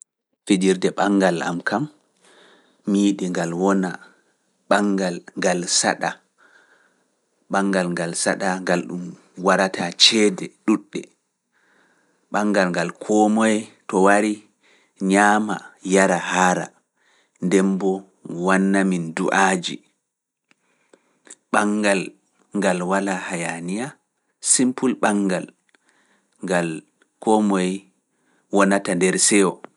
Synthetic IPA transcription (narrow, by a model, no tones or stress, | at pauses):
fed͡ʒiɾdɛɓaŋɡala̰mkʰam | iːɗiŋɡalwɔna | ɓaŋɡalŋɡalsa̰ɗa | ɓaŋɡalŋɡalsaɗaŋɡalɗum | waɾatat͡ʃɛːdɛɗuɗːɛ | ɓaŋɡalŋɡalkʰɔmɔjɛtɔwaɾi | ɲaːmajaɾahaɾa̰ | ndɛmbɔ | wanːaminduʔad͡ʒḭ | ɓaŋɡal | ŋɡalwalahajanija | simpulɓaŋɡal | ŋɡal | kɔmɔj | wɔnatandɛɾsɛwɔ